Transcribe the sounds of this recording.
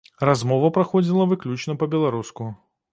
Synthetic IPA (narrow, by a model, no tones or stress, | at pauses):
razmɔvɐpɾaxɔd͡zʲilˠɐvɨklʲut͡ʃnɐpɐbʲɛlˠaɾusku